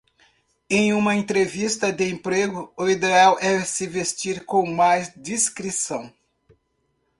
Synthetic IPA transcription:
ẽj̃ũmɐẽnt̪ɾevist̪ɐd̪ɪẽpɾeɡʊʊid̪eawʔɛsɪvest͡ʃiɾkõw̃majzd͡ʒiskɾisɐ̃w̃

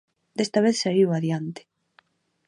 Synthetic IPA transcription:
d̪est̪aβeθsaiwaðjant̪ɪ̥

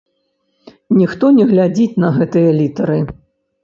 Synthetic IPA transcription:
nʲixt̪ɔnʲɛɣlʲad͡zʲit͡sʲnɐɣɛt̪ɨjɐlʲit̪ɐɾɨ

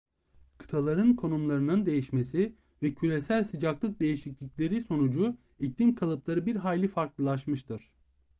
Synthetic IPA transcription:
kʰɯ̥t̪ʰalˠaɾɯnkʰo̞numlˠaɾɯnɯnd̪e̞jiʃme̞si | vɛcʰylʲe̞sælʲsɯd͡ʒaklˠɯk̚d̪e̞jiʃiclʲicʲlʲe̞ɾiso̞nud͡ʒu | ict̪inkʰalˠɯplˠaɾɯbiɾɦaːlʲifaɾklˠɯlˠaʃmɯʃt̪ʰɯɾ̥

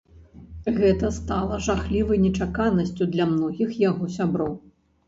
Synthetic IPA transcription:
ɣɛt̪ɐst̪alˠɐʐaxlʲivɐjnʲɛt͡ʂakanɐsʲt͡sʲud̪lʲamnɔɣʲixjaɣɔsʲabɾɔw

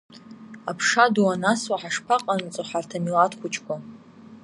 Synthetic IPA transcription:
apʰʂaduwanaswaħaʂpʰaqʼant͡sʼoħartʰamilatχʷʊt͡ʃʰʼkʷa

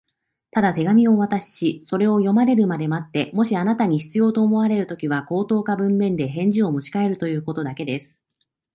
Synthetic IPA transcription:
t̪ad̪at̪e̞ɡamʲio̞βat̪aɕi̥ɕiso̞ɾe̞o̞jo̞maɾe̞ɾɯ̟mad̪e̞mat̪ːe̞mo̞ɕianat̪aɲ̟içi̥t͡sɨjo̞ːt̪o̞ːmo̞βaɾe̞ɾɯ̟t̪o̞kʲiβako̞ːt̪o̞ːkabɯ̟̃mːẽ̞nd̪e̞ɦẽ̞ɲ̟d͡ʑio̞mot͡ɕi̥kae̞ɾɯ̟t̪o̞jɯ̟ːko̞t̪o̞d̪ake̞d̪e̞sɨ̥

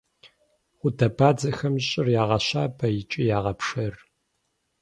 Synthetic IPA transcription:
χʷʊdɐbaːd͡zɐxɐmɕʼɪrjaːʁɐɕaːbɐjɪt͡ʃʼijaːʁɐpʂɐr

